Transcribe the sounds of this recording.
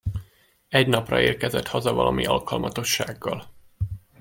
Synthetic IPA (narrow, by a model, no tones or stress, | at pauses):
ɛɟnɒprɒ̰eːrkɛzɛt̪hɒzɒvɒlɒmʔiʔɒlkɒlmɒt̪o̞ʃːaːɡːɒl